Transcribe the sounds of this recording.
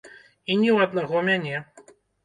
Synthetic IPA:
inʲɛwɐd̪naɣɔmʲanʲɛ

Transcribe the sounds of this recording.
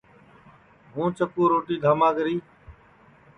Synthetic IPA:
ɦũːt͡ʃəkuːɾoːʈiːd̪ʱaːmãːɡəɾiː

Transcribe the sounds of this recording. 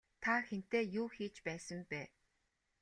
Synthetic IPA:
t̪ʰaxen̥t̪eːjuːxiːt͡ɕpæːsə̆mpæː

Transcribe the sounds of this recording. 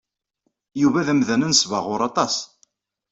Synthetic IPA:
juvæðæmðænənsvəʁʊɾˤɑt̪ˤɑs

